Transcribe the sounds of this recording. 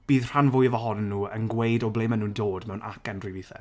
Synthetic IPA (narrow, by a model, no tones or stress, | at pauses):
b̥iːðr̥anvʊjvɔɦɔnːuːənɡwejdɔblejmanuːdoːdmɛwnʔa̰kɛndriviθɛ̰